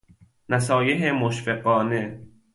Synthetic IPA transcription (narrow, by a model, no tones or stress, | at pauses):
næsɒːjeɦemoʃfeɢɒːne